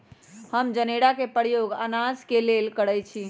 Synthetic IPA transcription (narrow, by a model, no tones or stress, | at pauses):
həmd͡ʒəneɽakepəɾijoɡa̰nad͡ʒkelelkəɽəjt͡ʃʰi